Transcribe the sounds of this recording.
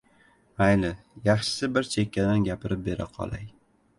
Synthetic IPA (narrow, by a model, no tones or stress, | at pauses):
ajlɪ | jɑχʃɪ̥sɪbɪɾt͡ʃʰe̞kʲʰːad̪anɡʲapʰɪɾɪp̚be̞ɾaqʰɒ̰lˠa̰j